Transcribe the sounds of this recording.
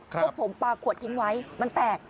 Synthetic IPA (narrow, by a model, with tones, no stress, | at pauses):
pʰo˩˦mpaː˧kʰːu˨˩ət̪ʰːi˦˥ŋwa˦˥jma˧nt̪ɛː˨˩k̚